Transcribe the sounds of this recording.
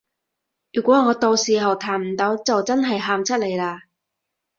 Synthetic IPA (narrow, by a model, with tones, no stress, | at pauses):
jyː˨˩kʷɔː˨˥ŋɔː˨˧t̪o˧wsiː˨˩ɦɐ˨˩wt̪ʰaː˨˩nm̩˨˩t̪o˨˥wt͡sɐ˨wt͡sɐ˥nɦɐ˨jɦaː˨mt͡sʰɐ˥t̚le˨˩jlaː˧